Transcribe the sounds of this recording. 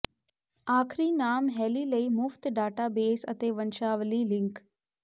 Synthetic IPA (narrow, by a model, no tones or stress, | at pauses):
aːkʰɾiːnaːmɦɛːliːləiːmʊft̪ɖaːʈaːbeːsət̪eːʋənʃaːʋliːlɪ̃ŋk